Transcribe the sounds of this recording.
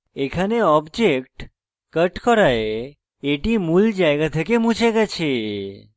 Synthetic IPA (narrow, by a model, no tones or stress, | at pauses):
ekʰaneɔbd͡ʒekʈ | kəʈkɔɾae | eʈimuld͡ʒajɡat̪ʰakemũt͡ʃaɡat͡ʃʰe